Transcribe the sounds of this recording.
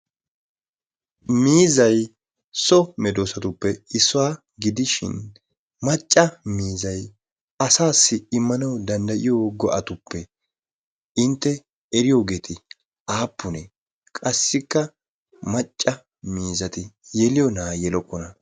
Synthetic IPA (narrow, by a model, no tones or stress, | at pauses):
miːzɐj | sɔmɛd̪oːsɐt̪ʊpːɛɪsːɔwa | ɡɪd̪ɪʃɪ̰n | mɐt͡ʃʼːɐmiːzɐj | ɐsaːsːɪɪmːɐnɐwd̪ɐnd̪ɐʔɪjoɡɔʔɐt̪ʊpːɛ | ɪnt̪ːɛ | ɛɾɪjo̞ːɡe̞ːt̪ʰɪ | aːpːʊnɛ | kʼɐsːɪkːɐ | mɐt͡ʃʼːɐ | miːzɐt̪ɪjɛlɪjɔnaːjɛlɔkːɔnɐ